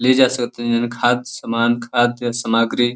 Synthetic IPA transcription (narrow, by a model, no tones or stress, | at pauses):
led͡ʒasəkt̪ənənkʰad̪səmaːnkʰad̪səmaɡɾi